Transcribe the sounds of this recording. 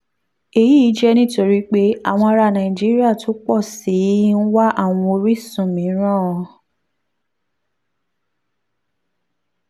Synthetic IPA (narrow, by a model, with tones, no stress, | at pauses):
e˨jiː˦˨˦d͡ʒɛ˦nĩ˦˨to˧ɾi˦k͡pe˦a̰˦˨w̃ɔ̃˧a˧ɾa˧˨nã˨ĩ˨d͡ʒi˨˦ɾi˦a˦˨tʰo˨˦k͡pɔ˦˨si˨˦n̩˦wa˦ʔa˦˨w̃ɔ̃˧o˧ɾi˦sũ˦˨mĩ˨˦ɾ̃ã˦˨ɔ˧